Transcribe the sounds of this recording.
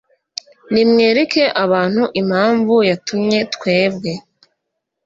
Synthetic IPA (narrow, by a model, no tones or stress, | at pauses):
nimŋeːɾeke̞ʔaβaːn̥huʔim̥haːɱvujatumɲe̞tkwe̞ːbɡe̞